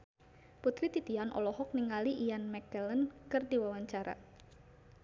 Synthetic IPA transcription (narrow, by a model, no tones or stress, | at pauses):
put̪ɾit̪it̪ianʔɔ̰lɔhɔk̚niŋaliʔijanmɛkələnkɨrdiwawaɲt͡ʃaɾa̰